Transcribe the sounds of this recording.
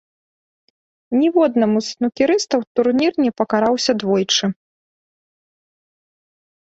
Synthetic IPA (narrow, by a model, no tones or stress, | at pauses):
nʲivɔd̪nɐmusnukʲiɾɨst̪ɐwt̪urnʲirnʲɛpɐkaɾawsʲɐd̪vɔjt͡ʂɨ